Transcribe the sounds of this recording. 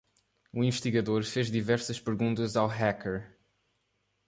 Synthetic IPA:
uĩvɨʃt̪iɣɐðoɾfeʒðivɛɾsɐʃpɨɾɣũnt̪ɐzawɦakɛɾ

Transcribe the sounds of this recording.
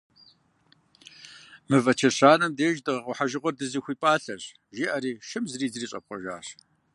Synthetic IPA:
mɨvɐt͡ʃʰɐɕaːnɐmdeːʒdɨʁɐqʷʼʊħaʒɪʁʷɔrdɨziːxʷiːpʼaːɬɐɕ | ʒiʔɐɾiːʃɨmzriːzriːɕʼɐ̰p̚qʷɔʒa̰ːɕ

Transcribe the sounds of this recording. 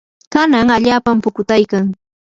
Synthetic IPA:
kanaŋaʎaːpampʊkʊt̪ajkaŋ

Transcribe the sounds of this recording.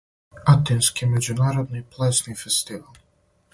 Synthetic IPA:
at̪inskimed͡ʑunaːɾod̪niplˠɛsnifest̪iʋalˠ

